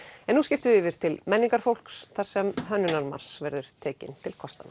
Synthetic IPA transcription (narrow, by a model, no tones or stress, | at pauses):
ɛnːuscɪft̪ʏɪvɪɾ̥t̪ʰɪlmɛnːiŋkaɾ̥fowl̥ksθaɾ̥sɛmɦœnːʏnaɾma̰r̥svɛɾðʏɾ̥t̪ʰeːcɪnt̪ʰɪlkʰɔst̪ana